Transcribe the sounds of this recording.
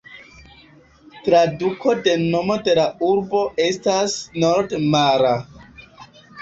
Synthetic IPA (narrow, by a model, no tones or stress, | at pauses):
tɾadukʰo̞de̞no̞mo̞de̞lauɾbo̞ʔe̞stasno̞ɾdmaɾa